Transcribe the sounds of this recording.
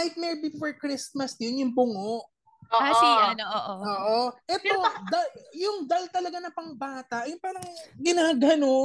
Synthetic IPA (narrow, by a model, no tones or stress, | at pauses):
aɪt̪̚mɛɹbɪfoɹkɹɪsmɐsd̪ɪnjʊŋbʊŋoʔ | ʔoːasijnoʔoʔooːʔoʔɛt̪o̞d̪ɐjʊŋd̪ɐlt̪ɐlɐɡanɐpɐŋbaːt̪ɐʔjʊpaːɾɐŋɡɪnaːɡɐno̞